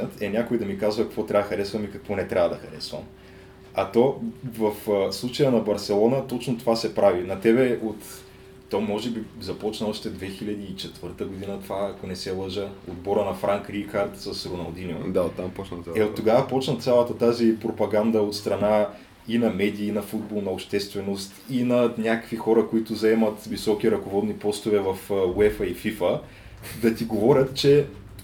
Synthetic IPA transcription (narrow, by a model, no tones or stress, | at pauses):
ət̪ɛnʲakoid̪ɐmikazvɐkɐkvɔt̪ɾʲavəxɐɾɛsvɐmikɐkvɔnɛt̪ɾʲavəd̪ɐxɐɾɛsvə̰m | ɐt̪ovɐfslˠut͡ʃəjənɐbɐɾsɛlˠɔnət̪ɔt͡ʃnʊt̪ovasɛpɾavinɐt̪ɛbɛot̪ː | omɔʒɛbizɐpɔt͡ʃnɐɔʃt̪ɛd̪vɛxilʲɐd̪iːt͡ʃɛt̪v̥ɤɾt̪əɡod̪inət̪ovaːkonɛsɛlˠəʒəod̪bɔɾənɐfɾaŋkɾixaɾt̪sɐsɾonɐ̰lˠd̪inio̰d̪aot̪ːampɔt͡ʃnəɛot̪ːoɡavəpɔt͡ʃnət̪sʲalˠət̪ət̪azipɾopɐɡand̪ɐot̪st̪ɾɐna | inɐmɛd̪iːnɐfud̪̚bɔlˠnɐopʃt̪ɛst̪vɛnost̪inɐnʲakəkvixɔɾəkoit̪ʊzɐɛmɐt̪visɔkiɾɐkovɔd̪nipɔst̪ʊvɛvɐfwɛfəififə | d̪ɐt̪iɡovɔɾʲət̪t͡ʃɛ